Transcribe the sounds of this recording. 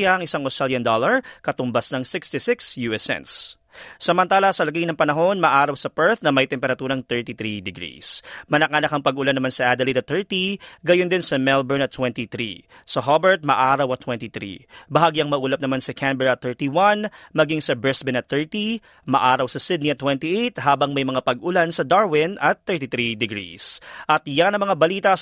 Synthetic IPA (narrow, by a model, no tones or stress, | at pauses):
aʔɐŋʔɪsaŋost̪ɹaljɐnd̪olɐɹkɐt̪ʊmbasnɐŋsɪkst̪isɪksjuɛsɛ̰nt̪s | sɐmɐnt̪aːlɐsɐlɐɡɐjnɐŋpɐnɐɦo̞nmɐʔaːɾɐwsɐpɛɹt̪nɐmɐjt̪ɛmpɛɾɐt̪uːɾɐŋt̪ɛɹt̪it̪ɾid̪ɛɡɾḭsmɐnɐkanɐkɐŋpɐɡʊlanɐmansɐʔad̪ɐlid̪ɐt̪ʰːɛɹt̪iɡɐjond̪ɪnsɐmɛlbɛɹnɐt̪ːwɛnt̪it̪ɾḭ | sɐɦobɛɹt̪̚mɐʔaːɾɐwɐt̪ːwɛnt̪it̪ɾḭbɐɦaɡjɐŋmɐʔuːlɐp̚nɐmansɐkʰambɛɹɐt̪ɛɹt̪iwɐnmɐɡiŋsɐbɹɛsbɪnɐt̪θɛɹt̪i | mɐʔaːɾɐwsɐsɪd̪̚niɐt̪ːwɛnt̪iʔejt̪haːbɐŋmɐjmɐŋapɐɡʔʊlansɐd̪aɹwɪnɐt̪ːɛɹt̪it̪ɾid̪ɪɡɾḭsʔɐt̪janɐŋmɐŋabɐliːt̪ɐ